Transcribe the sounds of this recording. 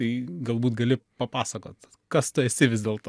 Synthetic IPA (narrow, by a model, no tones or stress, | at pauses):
ɐɪɡɐlˠbuːt̪ɡɐlʲɪpɐpɑːsɐkoːt̪ | kɐst̪ʊɛsʲɪʋʲɪzʲdʲeːlˠt̪o